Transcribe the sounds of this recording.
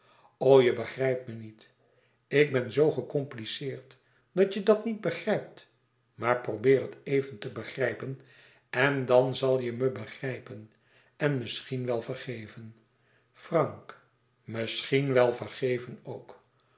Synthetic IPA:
owjəbəχrɛjpmənit | ɪɡ̚bɛnzowχəkɔmplisɪːɹt | d̥ɑtədɑtnid̚bəχrɛjp̚t | maːɹprobɪːɾɦətejvəntəbəχrɛjpən | ɛndɑnzɑlˠjəməbəχrɛjpən | ɛnmɪsχinʋɛlˠvərχejvən | frɑŋk | mɪsχinʋɛlˠvərχejvənowk

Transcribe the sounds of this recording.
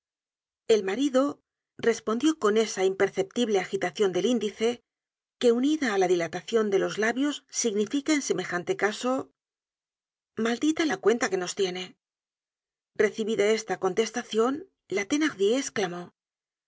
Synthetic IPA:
e̞lmaɾiðo̞ | re̞spo̞nd̪jo̞ko̞ne̞saimpe̞ɾθe̞p̚t̪iβle̞axit̪aθjo̞nd̪e̞lind̪iθe̞ | ke̞uniðaːlaðilat̪aθjo̞nd̪e̞lo̞zlaβjo̞sːiɣnifikae̞nse̞me̞xant̪e̞kaso̞ | mald̪it̪alakwe̞nt̪ake̞no̞st̪je̞ne̞ | re̞θiβiðae̞st̪ako̞nt̪e̞st̪aθjo̞n | lat̪e̞naʁðjeːsklamo̞

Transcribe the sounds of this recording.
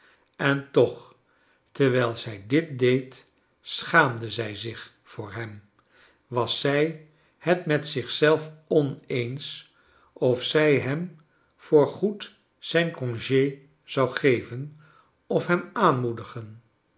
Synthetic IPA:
ɛntɔχ | təɹʋɛjlˠz̥ɛjdɪt̚dejt | sχaːmdəzɛjzɪχ | fʊːɹɦɛm | ʋɑsɛj | hɛtmɛtsɪχsɛlˠfɔnejns | ɔfsɛjɦɛm | fʊːɹχut | z̥ɛjnkɔ̃ŋʒej | z̥ɑwχejvən | ɔfɦɛmaːnmudəχən

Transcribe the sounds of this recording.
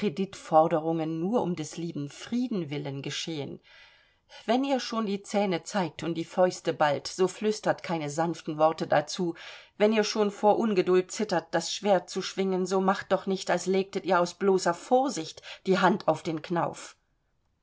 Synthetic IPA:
kʁ̥ediːtfɔɐdəʁ̞ʊŋənːuːɐʔʊ̰mdɛsliːbm̩fʁ̥iːdn̩vɪlənɡəʃeːən | vɛniːɐʃoːndiːt͡sɛːnət͡saɪk̚tʰʊntd̥iːfɔʏstəbaltz̥oːflʏstɐtkʰaɪnəzanftn̩vɔɐtədat͡suːvɛniːɐʃoːnfoːɐʔʊnɡədʊlt̚t͡sɪtɐt̚d̥asʃv̥eːɐt̚t͡suʃv̥ɪŋənzoːmaχt̚d̥ɔχnɪçtalsleːk̚tətiːɐaʊsb̥loːsɐfoːɐzɪçtd̥iːɦantʰaʊfd̥eːnknaʊf

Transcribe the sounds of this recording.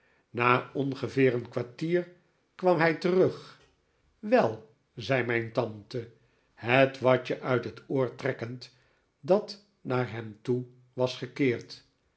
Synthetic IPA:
naːɔnχəvɪːɹənkʋaɹtiːɹ | kʋɑmɦɛjtərɵχ | ʋɛlˠ | zɛjmɛjntɑntə | ɦətʋɑɹt͡ʃəʔœɥtɦətoːɹtrɛkənt | dɑt | naːɹɦɛmtu | ʋɑsχəkɪːɹt

